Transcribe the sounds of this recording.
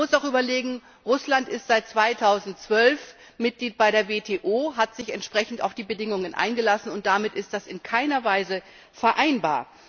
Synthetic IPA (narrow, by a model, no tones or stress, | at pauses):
mʊsaʊxʔyːbɐleːɡŋ̩ | ʁʊslantɪstz̥aɪt̚t͡sv̥aɪtʰaʊzn̩tt͡sv̥œlf | mɪt̚ɡ̥liːt̚b̥aɪɾeːɐveːtʰeːʔoːɦatz̥ɪçɛntʃpʁ̥ɛçn̩ta̰ʊfd̥iːbədɪŋʊŋənʔa̰ɪnɡəlasn̩ʊnt̚d̥amɪtɪstd̥asɪnkʰaɪnɐvaɪzə | fɛɐʔaɪnba̰ːɐ